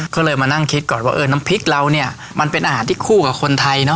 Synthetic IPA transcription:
kʰɔː˥˩lɤː˧jmaː˧na˥˩ŋkʰi˦˥t̪̚kɔː˨˩nwaː˥˩ʔɤː˧na˦˥mpʰi˦˥k̚la˧wni˥˩ɐ | ma˧npe˧nʔaː˧ɦaː˩˦nt̪ʰiː˥˩kʰuː˥˩ka˨˩kʰo˧nt̪ʰa˧jnɔ˦˥

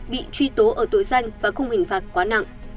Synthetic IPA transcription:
ɓḭ˧˨t͡ɕwi˧t̪o˨˦ʔəː˧˩t̪o̰˧˨jza˧jŋ̟vaː˨˩xə˧wŋ͡mhï˨˩ŋ̟faː˨˩t̚kwaː˨˦na̰˧˨ŋʔ

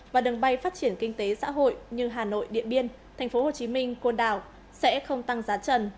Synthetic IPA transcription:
vaː˨˩ɗɨ˨˩ŋɓa˧jfaː˦˥t̚t͡ɕi˧˩ənkï˧ŋ̟t̪e˨˦sa̰ː˧˥ɦo̰˧˨jɲɨ˧ɦaː˨˩no̰˧˨jɗḭ˧˨ənɓi˧ən | t̪ʰɛ˨˩jŋ̟fo˨˦ho˨˩t͡ɕi˨˦mï˧ŋ̟kwə˧nɗa̰ː˧˨w | sɛ̰˧˥xə˧wŋ͡mt̪a˧ŋzaː˨˦t͡ɕə˨˩n

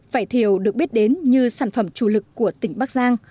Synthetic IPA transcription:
faː˧˩jt̪ʰi˧˩əwɗɨ˨˩ək̚ɓi˦˥t̚ɗe˨˦nɲɨ˧saː˧˩nfə˧˩mt͡ɕu˧˩lɨ˨˩kːu˧˩ət̪ï˧˩ŋ̟ɓaː˦˥k̚zaː˧ŋ

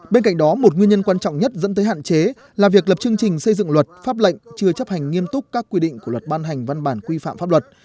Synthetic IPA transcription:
ɓe˧nka̰˧˨jŋ̟ɗɔ˨˦mo˨˩t̚ŋwi˧nɲə˧nkwaː˧nt͡ɕɔ̰˧˨wŋ͡mɲə˦˥t̚zə̰˧˥nt̪ːjɦa̰ː˧˨nt͡ɕe˨˦ | laː˨˩vi˨˩ək̚lə˨˩p̚t͡ɕɨ˧əŋt͡ɕï˨˩ŋ̟sə˧jzɨ̰˧˨ŋlwə˨˩t̚faː˦˥p̚lə̰˧˨jŋ̟t͡ɕɨ˧ət͡ɕə˦˥p̚ha˨˩jŋ̟ːi˧əmt̪ʊ˦˥k͡p̚kaː˦˥kːwi˧ɗḭ̈˧˨ŋku˧˩əlwə˨˩t̚ɓaː˧nɦa˨˩jŋ̟va˧nɓaː˧˩nkwi˧fa̰ː˧˨mfaː˦˥p̚lwə˨˩t̚

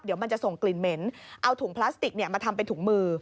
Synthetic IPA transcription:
di˨˩˦əma˧nt͡ɕa˨˩ʔso˨˩ŋkli˨˩nme˦˥nʔa˧wt̪ʰuː˩˦ŋpʰlaː˦˥st̪i˨˩k̚ni˥ɐmaː˧t̪ʰa˧mpa˧jt̪ʰu˩˦ŋmɯː˧

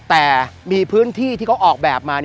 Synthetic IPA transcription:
t̪ɛː˨˩miː˧pʰɯ˦˥ənt̪ʰiː˥˩t̪ʰiː˥˩kʰwʔɔː˨˩k̚bɛː˨˩p̚maː˧n˥

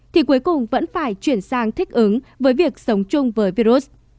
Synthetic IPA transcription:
t̪ʰi˨˩ku˨˦jkʊ˨˩ŋ͡mvə̰˧˥nfaː˧˩jt͡ɕwi˧˩ənsaː˧ŋt̪ʰi˦˥k̟̚ʔɨ˨˦ŋvəː˨˦jvi˨˩ək̚sə˨˦wŋ͡mt͡ɕʊ˧ŋ͡mvəː˨˦jvi˧ɾu˦˥s

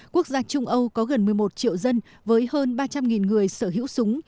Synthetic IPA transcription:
ku˦˥ək̚zaː˧t͡ɕʊ˧ŋ͡mʔə˧wkɔ˨˦ɣə˨˩nmɨ˨˩əjmo˨˩t̚t͡ɕḭ˧˨wzə˧n | vəː˨˦jhəː˧nɓaː˧t͡ɕa˧mŋi˨˩nŋɨ˨˩əjsəː˧˩ɦḭ˧˥wsʊ˨˦ŋ͡m

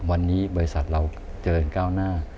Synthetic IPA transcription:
wa˧nːiː˦˥bɔː˧ɾi˧sa˨˩t̪̚ɾa˧w | t͡ɕɤː˧nkaː˥˩wnaː˥˩

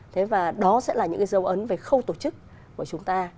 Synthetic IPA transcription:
t̪ʰe˨˦vaː˨˩ɗɔ˨˦sɛ̰˧˥laː˨˩ɲɨ̰˧˥ŋka˨˦zə˨˦wʔə˨˦nve˨˩xə˧wt̪o˧˩t͡ɕɨ˦˥kː | u˧˩ət͡ɕʊ˨˦ŋ͡mt̪aː˧

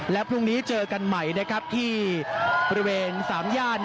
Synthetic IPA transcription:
lɛ˦˥wpʰɾu˥˩ŋniː˦˥t͡ɕɤː˧ka˧nma˦˥˩jna˦˥kʰɾa˦˥p̚t̪ʰiː˥˩bɔ˧ɾi˦˥weː˧nsaː˩˦mjaː˥˩t̪̚

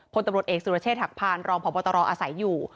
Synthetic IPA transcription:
pʰo˧nt̪a˧ɾət̪ʔeː˨˩k̚suː˨˩ɾa˧t͡ɕʰeː˥˩t̪̚ha˨˩k̚pʰaː˧nɾɔː˧ŋpʰɔː˨˦pɔː˧t̪ɔ˧ɾɔː˧ʔaː˧sa˨˩˦jːuː˨˩

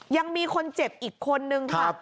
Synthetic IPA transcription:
ja˧ŋmiː˧kʰo˧nt͡ɕe˨˩p̚ʔiː˨˩kʰːo˧nːɯ˧ŋkʰa˦

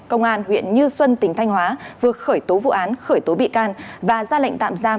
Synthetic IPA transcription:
kə˧wŋ͡mʔaː˧nhwḭ˧˨ənɲɨ˧swə˧nt̪ï˨˩ŋ̟t̪ʰa˧jŋ̟hwaː˨˦vɨ˨˩ət̚xəː˧˩jt̪o˨˦vṵ˧˨ʔaː˨˦nxəː˧˩jt̪o˨˦ɓḭ˧˨kaː˧nvaː˨˩zaː˧la̰˧˨jŋ̟t̪a̰ː˧˨mzaː˧

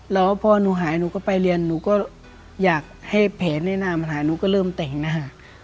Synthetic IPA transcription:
lɛː˦˥wpʰɔː˧nuː˧˦ɦaː˩˦jnuː˧˦kɔː˥˩pa˧jli˧ənːuː˧˦kɔː˥˩ | jaː˨˩k̚ha˥˩jpʰɛː˨˦nːɛː˥˩naː˧ma˧˩hɦaː˨˦jnuː˧˦kɔː˥˩lɤː˥˩mt̪ɛ˨˩ŋna˧ɦa˨˧˩

